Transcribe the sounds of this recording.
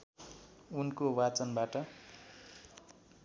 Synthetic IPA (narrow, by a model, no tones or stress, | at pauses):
unkowat͡sʌnbaʈʌ